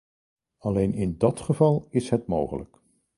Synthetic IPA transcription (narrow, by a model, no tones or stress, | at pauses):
ɑlejnɪndɑtχəvɑlˠɪsɦətmo̰wχə̰lə̰k